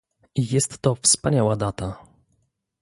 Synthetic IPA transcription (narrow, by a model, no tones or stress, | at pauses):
jɛst̪ːɔfspaɲawad̪at̪a